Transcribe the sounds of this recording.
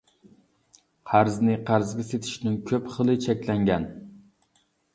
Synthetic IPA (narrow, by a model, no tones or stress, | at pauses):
qʰæɾznɪqʰæɾzɡʲɛset̪ʰɪ̥ʃnɪŋkʲʰøpχəlˠɨt͡ʃʰɛkʲlɛŋɡʲɛn